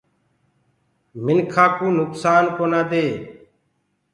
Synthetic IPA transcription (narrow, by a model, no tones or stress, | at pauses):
mɪnkʰaːkũːnʊksaːnkoːnãːd̪eː